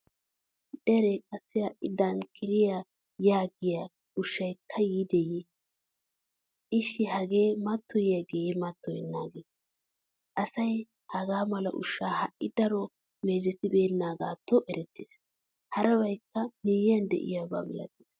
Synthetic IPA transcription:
d̪̥ɛɾɛkʼɐsːɛhɐʔɪd̪ɐnkʰɪɾɪja | jaːɡɪja | ʊʃːɐjkʰːɐjiːd̪ɛji | ʔɪʃːɪhɐɡeːmɐt̪ʰːɔjjɐɡejɛmɐt̪ːɔjɪnːaːɡeː | ʔɐsɐj | hɐɡaːmɐlɐ̰ʔʊ̰ʃːaːhɐʔɪd̪ɐɾɔ | meːzɛt̪ɪbe̞ːnːaːɡaːt̪ːɔʔɛɾɛt̪ːɪːs | hɐɾɐbɐjkːɐneːjɪjɐnd̪ɛ̰ʔɪ̰jaba̰ːmɛlɐ̰t̪ːɪs

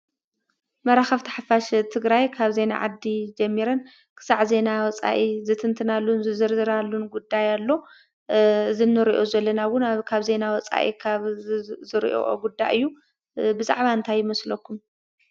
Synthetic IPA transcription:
mɐɾaxɐft̪ʰɐ̥ħafaʃt̪ʰɨɡɾajkʰaβze̞na̰ʕad̪ːid͡ʒɐmːiɾɐn | kʰɨ̥saʕze̞nawɔt͡sʼa̰ʔizɨt̪ʰɨnt̪ʰɨnalːunzɨzɨɾzɨɾalːunɡud̪ːajalːo̞ | ɨzɨnːɨɾiʔozɐlːɐnawʊnakʰaβze̞nawɔt͡sʼa̰ʔḭkʰaβzɨɾḭʔo̰ʔo̰ɡud̪ːajʔɨjːu | bɨza̰ʕβaɨnt̪ʰajːɪmɐslɐkʰːum

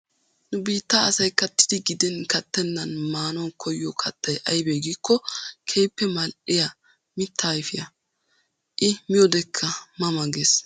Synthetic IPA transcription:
nʊbiːt̪ːɐːsɐjkɐt̪ːɪ̥d̪ɪɡɪd̪ɛnkɐt̪ːɛnːɐnmaːnɔwkʰɔjːɔkʰɐt̪ːɐjʔɐjbeɡikːɔkʰejpːɛmɐlʔɪjɐ | mɪt̪ʰːaːjfɪjɐ | ʔɪmɪjɔd̪ɛkʰːɐmɐmɐɡeːs

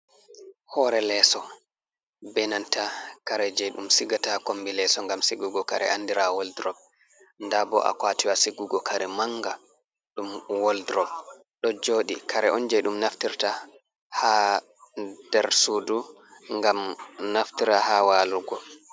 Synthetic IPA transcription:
hɔɾɛlɛsɔ | bɛnantakaɾɛd͡ʒɛjɗumsiɡatakombilɛsɔŋɡamsiɡuɡɔkaɾɛ̰ʔandiɾawɔldɾɔb̚ | ndabɔ̰ʔa̰kwatiwasiɡuɡɔkʰaɾɛmaŋɡa | ɗumwɔldɾɔb̚ | ɗɔd͡ʒoːɗḭkaɾɛʔɔnd͡ʒɛjɗumnaftiɾta | ha | d̥ɛɾsuːdu | ŋɡamnaftiɾahawaːluɡɔ

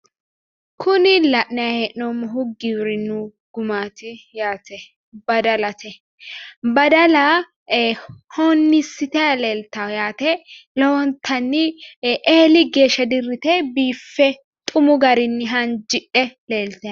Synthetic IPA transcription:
kʰʊnɪlɐʔnɐjɐhɛʔnomːɔɦʊɡːiwɪɾɪnːʊ | ɡ̥ʊmaːt̪ɪjaːt̪ɛ | bɐd̪ɐlɐt̪ʰɛ | bɐd̪ɐlɐ | hoɔnːɪsːɪt̪ɛjɐleːlt̪ɐjaːt̪ɛlɔwɔnt̪ʰɐnːɪʔeːlɪɡe̞ːʃɐd̪ɪrːɪt̪ɛbiːfːɛ | t̪ʼʊmʊɡɐɾɪnːɪɦɐnd͡ʒɪʔɛleːlt̪ɛ

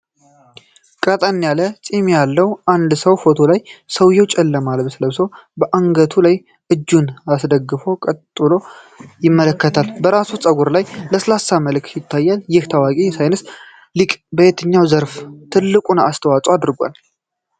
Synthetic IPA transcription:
kʼət̪ʼənnjalət͡sʼimejalːəwʔand̪səwfo̞t̪ʰolajsəwjɛwt͡ʃʼɛlːəmalbəsɨləβsəwbəʔaŋɡət̪ʰulaj | ʔɨd͡ʒːunasd̪əɡːɨfo̞kʼət̪ʼːɨlo̞ | jɪmːələkːət̪ʰalbəɾasut͡sʼəɡuɾlajləsəlasːaməlk̪jɪt̪ʰːajːaljɪht̪ʰawakʼisajnɨs | likʼbəjet̪ʰɨɲːawzəɾft̪ʰɨlːɨkʼunast̪ʰəwat͡sʼwad̪ɾɡʷa̰l

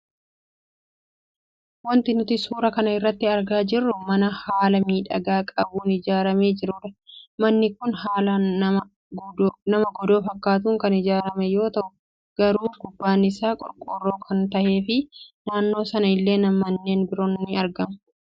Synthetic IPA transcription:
wɐnt̪ɪnʊt̪ɪsuːɾɐkɐnɐɪrːɐt̪ːɪɐɾɡaːd͡ʒɪrːʊmɐnɐhaːlɐmiːᶑɐɡaːkʼɐbuːnɪd͡ʒaːɾɐme̞ːd͡ʒɪɾʊᶑɐmɐnːɪkʊnhaːlɐɐmɐ | nɐmɐɡɔd̪o̞ːfɐkːaːt̪̬uːŋkɐnɪd͡ʒaːɾɐmɛjo̞ːt̪ɐʔʊ | ɡ̥ɐɾuːɡʊbːaːnɪsaːkʼɔ̰ɾkʼoːrːo̞ːkʰɐnt̪ɐʔe̞ːfɪnaːnːo̞ːsɐnɐɪlːe̞ːnɐmːɐnːe̞ːnbɪɾoːnːɪɐɾɡɐmʊ̥

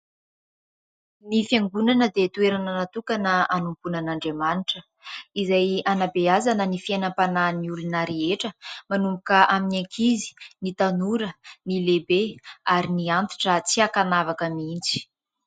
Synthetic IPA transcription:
nifjaŋɡunanəd̪et̪ueɾanənat̪ukanəanumpunanaɳɖ͡ʐemaniʈ͡ʂə | izajanabeazanənifienəmpananiulunaɾeeʈ͡ʂəmanumbukəʔaminekʰizi̥nit̪anuɾənilebeaɾiniant̪u̥ʈ͡ʂət͡siakanavakəmint͡si̥

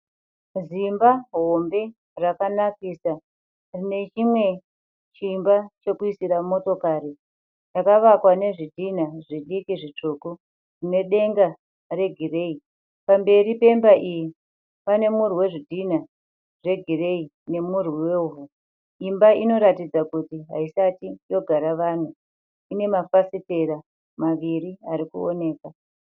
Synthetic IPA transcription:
zimbaɦo̞mbe̞ | rakanakisa | rine̞t͡ʃimwe̞ | t͡ʃimbat͡ʃe̞kuisiɾamo̞to̞kaɾi | jakaʋakwane̞ʐidʱinaʐiɗikiʐit͡ʂoko | rine̞ɗe̞ŋɡa | re̞ɡʱire̞i | pambe̞ɾipe̞mbaʔiji | pane̞muriwe̞ʐidʱina | ʐe̞ɡʱire̞i | ne̞muriweuɦu | imbaʔino̞ɾatid͡zakutiɦaisatijo̞ɡʱaɾaʋan̤u | ine̞mafasiteɾa | maʋiɾiaɾikuo̰ne̞ːka

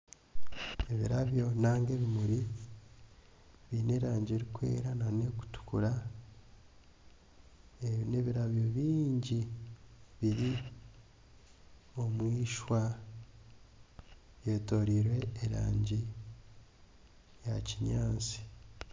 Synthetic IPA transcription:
e̞βiɾaβjo̞naːŋɡe̞βimuɾi | βine̞ːɾaːɲɟeɾikwe̞̰ːɾanane̞ku̥tu̥kuɾa | ene̞βiɾaβjo̞βiːɲɟi | βiɾi | o̞mwiːʃwa | βjeːto̞ɾiɾwe̞ːɾaːɲɟi | jaciɲaːnt͡si̥

